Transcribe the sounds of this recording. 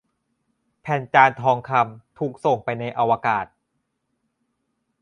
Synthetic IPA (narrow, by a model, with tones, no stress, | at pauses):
pʰɛː˨˩nt͡ɕaː˧nt̪ʰɔː˧ŋkʰa˧mt̪ʰuː˨˩k̚so˨˩ŋpa˧jna˧jʔa˧wa˧kaː˨˩t̪̚